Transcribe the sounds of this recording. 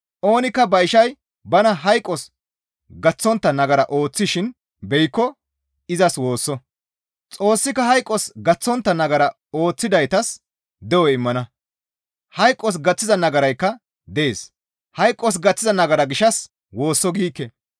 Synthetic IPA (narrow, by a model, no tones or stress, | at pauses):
ʔo̞ːnɪkːɐbɐɪʃɐj | bɐnɐɦɐjkʼːɔs | ɡɐt͡sːɔnt̪ːɐnɐɡɐɾɐʔo̞ːt͡sːɪʃɪn | bɛjkːɔ | ɪzɐswo̞ːsːɔ | t͡sʼo̞ːsːɪkːɐɦɐjkʼːɔsɡɐt͡sːɔnt̪ːɐnɐɡɐɾɐ | o̞ːt͡sːɪd̪ɐjt̪ɐs | d̪ɛwɔɪmːɐnɐ | hɐjkʼːɔs̬ɡɐt͡sːɪzɐnɐɡɐɾɐjkːɐ | d̪ɛeːs | hɐjkʼːɔs̬ɡɐt͡sːɪzɐnɐɡɐɾɐɡɪʃɐs | wo̞ːsːɔɡiːkːɛ